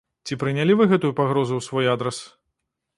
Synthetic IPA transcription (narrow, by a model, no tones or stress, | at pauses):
t͡sʲipɾɨnʲalʲivɨɣɛt̪ujupaɣɾɔzuwsvɔjad̪ɾɛs